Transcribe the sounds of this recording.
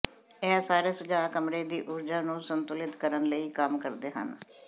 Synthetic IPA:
ɛːsaːɾeːsʊd͡ʒaːkəmɾeːd̪iːʔʊɾd͡ʒaːnũːsənt̪ʊlɪt̪kəɾənləiːkəmkəɾd̪eːɦə̰n

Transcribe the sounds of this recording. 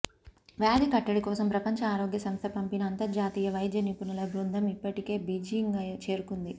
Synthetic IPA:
ʋjaːd̪ikɐʈːɐɽikɔːsɐmpɾɐpɐɲt͡ʃɐaːɾo̞ːɡjɐsɐmst̪ʰɐpɐmpinɐːnt̪ɐɾd͡ʒaːt̪iːjɐʋɐjd̪jɐnipunɐlɐbɾund̪ʱɐmipːɐʈike̞ːbid͡ʒiŋɡɐt͡ʃe̞ːɾukund̪i

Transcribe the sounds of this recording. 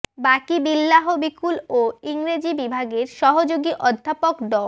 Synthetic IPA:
bakibilːaɦobikuloiŋɾed͡ʑibibʱaɡeɾʃɔɦod͡ʑoɡiʔɔd̪ʱːapokd̪ɔ

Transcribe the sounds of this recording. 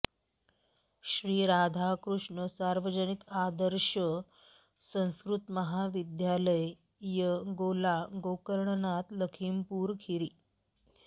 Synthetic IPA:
ɕɾiːɾad̪ʱakɾuʂɳəsaɾʋəd͡ʑənik̪ad̪əɾɕə | sə̃w̃skɾut̪məɦaʋid̪jaləj | jəɡolaɡokəɾɳnat̪ləkʰimpuːɾkʰiɾiː

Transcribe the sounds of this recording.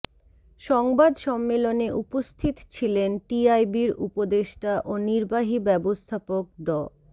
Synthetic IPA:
ʃɔŋbad̪ʃɔmːeloneʔupost̪ʰit̪t͡ɕʰilenʈiajbiɾṵpod̪eʃʈaʔoniɾbaɦibɛbost̪ʰapok̚ɖɔ

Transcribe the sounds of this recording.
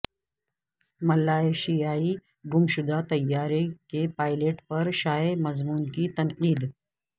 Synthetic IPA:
mɐlːaːeʃijaːi | ɡʊmʃʊd̪at̪ɐjːaːɾekepaːɪleːʈpɐɾʃaːemɐzmuːnkit̪ɐnqiːd̪

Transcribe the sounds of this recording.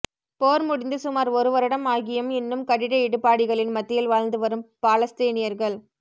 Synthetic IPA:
poːɾmʊɽɪnd̪ɯsʊmaːɾɔɾɯʋɐɾɯɽɐmaːɣɪjɐmɛnːɯmkɐɽɪɾɐɪɽɯpːaːɽɪɣɐɭɪnmɐt̪ːɪjɪlʋaːɻnd̪ɯʋɐɾɯmpaːlɐst̪eːnɪjɐɾɣɐɭ

